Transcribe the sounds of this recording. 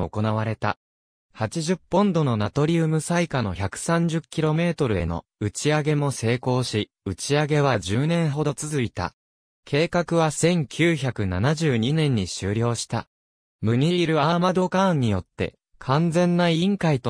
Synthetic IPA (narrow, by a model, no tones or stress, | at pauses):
oko̞naβ̞aɾe̞t̪a̰ | hat͡ɕiʑɨpːõ̞nd̪o̞no̞nat̪o̞ɾʲiɯ̟mɯ̟saikano̞̰çakɯ̟̥sãɲ̟d͡ʑɨkʲːiɾo̞me̞ːt̪o̞ɾɯ̟e̞̰no̞̰ | ɯ̟t͡ɕiaɡe̞mo̞se̞ːko̞ːɕi | ɯ̟t͡ɕiaɡe̞β̞ad͡ʑɨːnẽ̞ɰ̃ɦo̞d̪o̞t͡sɨzɨit̪a̰ | kʰe̞ːkakɯ̟β̞asẽ̞ŋkʲʰɨːçakɯ̟nanaʑɨːɲ̟inẽ̞ɲ̟ːiɕɨːɾʲo̞ːɕi̥t̪a̰ | mɯ̟ɲ̟iːɾɯ̟amad̪o̞kãːɲ̟ːijo̞t̪ːe̞̰ | kʰãnd͡zẽ̞nːaĩŋkait̪o